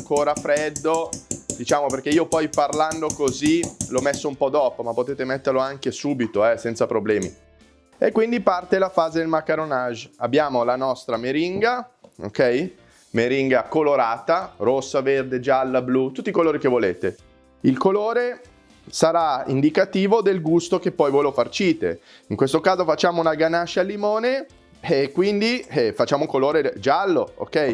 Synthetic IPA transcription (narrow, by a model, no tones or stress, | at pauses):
ŋkoːɾafɾɛd̪ːod̪it͡ʃaːmoperk̟eiːopɔjparland̪okozilɔmesːoumpɔd̪ɔːpomapːot̪eːt̪emɛt̪ːerloaŋkesuːbit̪oɛsɛnt̪sapɾoblɛːmḭ | ekːwind̪ipart̪elafaːzed̪elmakːaɾonaʒabːjaːmolanɔst̪ɾameɾiŋɡao̰kɛj | meɾiŋɡakoloɾaːt̪aɾosːaverd̪ed͡ʒalːablut̪ut̪ːikoloːɾikevoleːt̪e | ilkoloːɾe | saɾaḭnd̪ikat̪iːvod̪elɡust̪okepːɔjvɔjlofart͡ʃiːt̪ḛ | iŋkwest̪okaːzofat͡ʃːaːmounaɡanat͡ʃːalːimoːne | kːwind̪ifat͡ʃːaːmoukoloːɾed͡ʒalːoo̰kːɛj